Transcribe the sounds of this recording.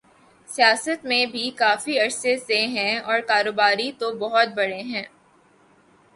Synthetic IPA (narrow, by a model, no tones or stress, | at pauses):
sijaːsət̪mẽbʱikaːfiɐɾseseɦɛ̃ɔːɾkaːɾoːbaːɾit̪obɔɦʊt̪̚bɐɽeɦɛ̃ː